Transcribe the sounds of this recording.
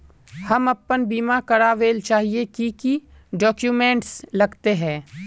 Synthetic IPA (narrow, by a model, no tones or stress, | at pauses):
hɐmɐpːənbiːmakɐɾaʋeːlt͡ʃaːɦiekiki | ɖɔːkjuːmɛ̃ːɳʈslɐɡt̪eɦɛ̃ː